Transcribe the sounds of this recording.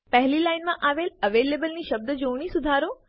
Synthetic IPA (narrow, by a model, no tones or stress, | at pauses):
pɐɦɪlilaːɪnmãʔaːʋeːlɐʋeːleːbəlnĩʃɐb̚d̪əd͡ʑoːɽ̃ĩsʊd̪ʱaːɾoː